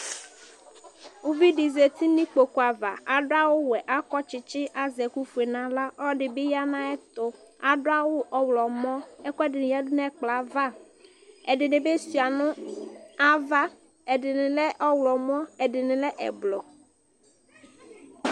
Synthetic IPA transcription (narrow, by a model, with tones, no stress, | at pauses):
u˦vi˦ɖi˨ze˨t̪i˦nĩ˦k͡po˨ku˨a˨va˨a˨ɖʊ˦a˦wʊ˦wɛ˨ʔa˦kɔ˦t͡ʃɪ˨t͡ʃɪ˦ʔa˨zɛ˨ku˦fu˨e˨nã˨la˦ʔɔ˦ɖɪ˨bɪ˦ja˦nã˦ɛ˦t̪ʊ˦a˨ɖʊ˦a˦wo˦ʔɔ˦wlɔ˨mɔ̃˦ɛ˦kɔ˦ɛ˦dɪ˨nɪ̃˨ja˦dʊ˦nɛ̃˦k͡pla˨˦va˦ | ɛ˨ɖɪ˨ɖɪ̃˨be˦si˨a˨nʊ̃˦a˦va˦ | ɛ˨dɪ˨nɪ̃˨lɛ˦ʔɔ˦wlɔ˨m˦ɔ̃˦ɛ˨ɖɪ˨nɪ̃˨lɛ˦ʔɛ̰˨blɔ˨